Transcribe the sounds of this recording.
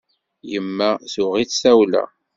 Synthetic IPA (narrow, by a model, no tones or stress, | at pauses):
jəmːæθʊʁiθsæwlæ̰